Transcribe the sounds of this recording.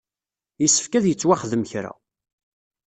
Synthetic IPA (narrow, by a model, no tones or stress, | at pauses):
jəsːə̥fkæðjət͡sːwaχəðəməçɾa̰